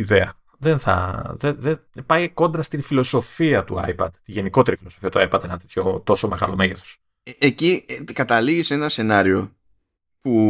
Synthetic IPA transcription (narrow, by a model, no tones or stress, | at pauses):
iðe̞ɐ | ðe̞nθɐ̰ðeðepɐjko̞nd̪ɾɐst̪infilo̞so̞fiɐt̪uɐ̰jpɐd̪̥t̪iʝe̞niko̞t̪e̞ɾifilo̞so̞fiɐt̪uɐjpɐd̪enɐt̪et̪ço̞t̪o̞so̞me̞ɣɐ̰lo̞me̞ʝe̞θo̥s | ecikɐt̪ɐliɣise̞nɐse̞nɐɾio̞ | pu